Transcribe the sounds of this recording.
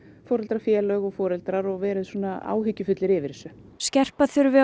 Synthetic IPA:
fɔːɾɛlt̪ɾaɾfjɛːlœɣɔɣfɔːɾɛlt̪ɾaɾɔɣvɛːɾɪðsɔːnaa̰ːwɦʏcːʏfʏt̪lɪɾɪvɪɾsʏ | scɛr̥paθʏɾvɪ

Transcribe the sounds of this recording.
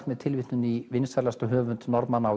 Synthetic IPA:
t̪mɛðt̪ʰɪlvɪht̪nʏnivɪnsaɾlast̪ɔɦœːvʏnt̪nɔɾpmanaːw

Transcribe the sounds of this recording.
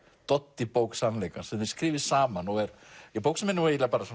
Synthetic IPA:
t̪ɔt̪ːɪpowksanlejkasɛɪskɾiːvɪsaːmanɔɣɛɾjɛpowksamɛnːɪajɛt̪lapaːɾasɔ

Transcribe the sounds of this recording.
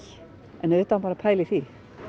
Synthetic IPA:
ɛnʏt̪anpaːɾapʰaːjlɪθi

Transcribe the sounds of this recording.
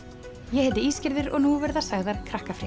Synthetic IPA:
jɛhɛt̪ɪiːscɪɾðɪɾɔ̰ɣnuvɛɾðḁsaɣðaɾ̥kʰɾahkafɾɪ

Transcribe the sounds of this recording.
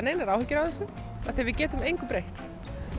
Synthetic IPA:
neːjnaɾawhɛcːɪɾawθɛsʏ | aθejvɪðcɛːt̪ʏmejŋkʏpɾejht̪

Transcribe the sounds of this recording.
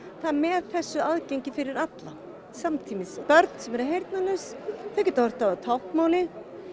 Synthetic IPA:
θaðmɛðθɛsːʏaðcejɲcɪfɪɾɪɾat̪la | samt̪ʰiːmɪspœɾt̪n̥sɛmɛɾɪɦejɾt̪̚nanʏsθacɛt̪avɔɾ̥t̪aat̪ʰawhkmaːwlɪ

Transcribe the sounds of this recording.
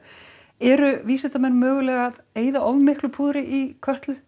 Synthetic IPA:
ɛɾʏviːsɛt̪amɛnːmœːɣʏlɛːɣaðeːjðaʔowvmɪhklʏpʰuːðɾɪʔikʰœht̪lʏ

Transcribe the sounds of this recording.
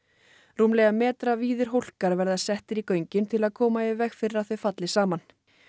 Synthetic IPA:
ruːmlɛɣamɛːt̪ɾaviːðʏɾ̥ɦowl̥kaɾvɛɾðasɛht̪ɪɾikœɥɲcɪnt̪ʰɪlaðkʰɔːmaɪvɛxfɪɾɪɾawθœɥfat̪lɪsaːman

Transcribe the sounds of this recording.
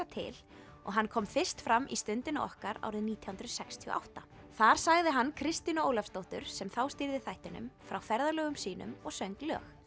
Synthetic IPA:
at̪ʰɪ̰l | ɔ̰ɣɦankʰɔmfɪr̥st̪fɾamːʔḭst̪ʏnt̪ɪna̰ɔ̰hkaɾa̰wɾɪðniːt̪ʰjihunt̪ɾʏsɛkst̪ʰiɔ̰ʔa̰wht̪a | θaɾ̥saɣðɪɦanːkʰɾɪst̪inʏoːwlafst̪owht̪ʏɾ̥sɛmθawst̪ɪɾðɪθajht̪ɪnʏ̰mfɾawfɛɾðalœːɣʏmsiːnʏ̰mɔɣsœɥŋklœ̰ːx

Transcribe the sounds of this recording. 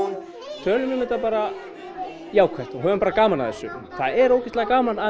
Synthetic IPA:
t̪ʰœːlʏmʏmɪt̪apaːɾa | jaːwkʰajht̪ɔɦœːvʏmpaːɾakaːmanaðɛsːʏθaðɛɾoːwcɛ̥t̪laɣakaːmana

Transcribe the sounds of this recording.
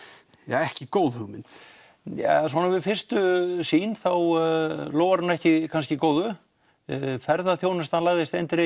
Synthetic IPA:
jaɛhcɪkoːwðhʏɣmɪnt̪ | jɛ̰s̬ɔnavɪðfɪr̥st̪ʏsiːnθawloːwvaɾʏnɛhcɪkʰanscɪkoːwðʏ | fɛɾðaθjoːwnɪst̪hanlaːɣðɪst̪ejnt̪ɪɾɪ

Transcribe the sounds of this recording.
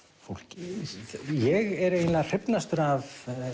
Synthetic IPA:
fowl̥cɪ | jɛɣɛɾejnlar̥ɪpnast̪ʏɾav

